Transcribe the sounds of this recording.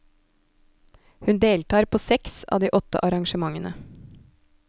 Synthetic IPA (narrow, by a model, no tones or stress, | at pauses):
hʉnd̪eːlt̪ʰɑːɾpʰoːsɛksɑ̰ːd̪iːʔɔt̪ə̰ʔɑɾɑŋʃəmɑŋənə